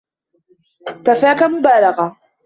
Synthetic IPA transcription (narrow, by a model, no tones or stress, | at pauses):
t̪afaːkamʊbaːlɑɣa